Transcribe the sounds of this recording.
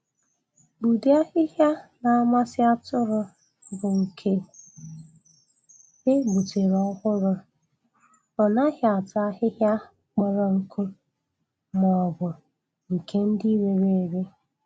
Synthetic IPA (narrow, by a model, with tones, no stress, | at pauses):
bu˨di˦a˦hɪ˦ɦja˦na˨a˦ma˦sɪ˦a˦tʊ˦ɾʊ˦ | bʊ˨ŋ̩˨kʰe˦ | e˦ɡ͡bu˨te˨ɾɔ˦ɣʊ˦ɾʊ˦ | ɔ˨na˦ɦja˨a˨ta˦ɦɪ˦ɦja˦ | k͡pɔ˦ɾɔ˦ŋ̩˦kʰu˦ | mɔ˨bʊ˨ | ŋ̩˨kʰe˦n̩˦di˦we˨ɾe˨ɾe˦